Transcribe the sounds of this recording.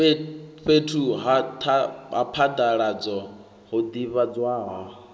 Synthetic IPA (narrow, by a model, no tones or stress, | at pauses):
ɸetʰuɦat̪ʰaɦa̰pʰad̪aɺad͡zɔ | ɦod̪iβad͡zwaːɦɔ